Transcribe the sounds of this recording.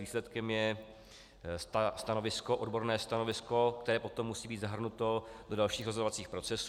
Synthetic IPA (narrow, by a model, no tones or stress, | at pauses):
viːslɛt̪kɛmjɛ | st̪st̪ano̞vɪsko̞ʔodbo̞ɾnɛːst̪ano̞vɪsko̞k̚t̪ɛɾɛːpo̞t̪omːusiːbiːd̪zaɦr̩nut̪o̞dodalʃiːxɾozodovat͡siːxpɾo̞t͡sɛs